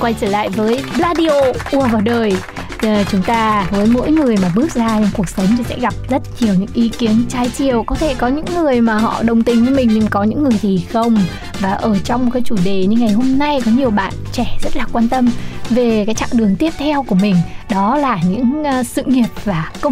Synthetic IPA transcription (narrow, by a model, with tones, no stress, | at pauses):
kwa˧jt͡ɕəː˧˩la̰ː˧˨jvəː˨˦jlaː˧ɗi˧o˧ʔu˧˩əvaː˨˩wɗəː˨˩j | t͡ɕʊ˨˦ŋ͡mt̪aː˧vəː˨˦jmo̰˧˥jŋɨ˨˩əjmaː˨˩ɓɨ˦˥ək̚zaː˧ɲ˧wŋ͡mku˨˩ək̚sə˨˦wŋ͡mt̪ʰi˨˩sɛ̰˧˥ɣa˨˩p̚zə˦˥t̚ɲi˨˩əwɲɨ̰˧˥ŋʔi˨˦ki˨˦ənt͡ɕaː˨˧˦jt͡ɕi˧˩əwkɔ˨˦t̪ʰe˧˩kɔ˨˦ɲɨ̰˧˥ŋːɨ˨˩əjmaː˨˩ɦɔ̰˧˨ɗə˨˩wŋ͡mt̪ï˨˩ŋ̟vi˧˦mï˨˩ŋ̟ɲɨ˧˩ŋkɔ˨˦ɲɨ̰˧˥ŋːɨ˨˩əjt̪ʰi˨˩xə˧wŋ͡m | vaː˨˩ʔəː˧˩t͡ɕɔ˧wŋ͡mkaː˨˦jt͡ɕu˧˩ɗe˨˩ɲɨ˧ŋːa˨˩jɦo˧mna˧jkɔ˨˦ɲi˨˩əwɓa̰ː˧˨nt͡ɕɛ˧˩zə˦˥t̚laː˨˩kwaː˧nt̪ə˧mve˨˩kaː˨˦jt͡ɕa̰ː˧˨ŋɗɨ˨˩əŋt̪i˦˥əp̚t̪ʰɛ˧wku˧˩əmï˨˩ŋ̟ɗɔ˨˦laː˨˩ɲɨ̰˧˥ŋː˧sɨ̰˧˨ŋi˨˩əp̚vaː˨˩kə˧